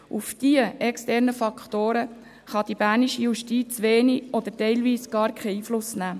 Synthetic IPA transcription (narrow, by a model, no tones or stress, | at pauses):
ufd̥iəɛkstɛɾnəfɑkχt̪oːɾə | χɑd̥̪ib̥æɾniʃijuʃtiːt͡sʋeːniʔɔd̪əɾtɛɪlviːsɡ̥ɑːɾkχɛiːflʊsnæː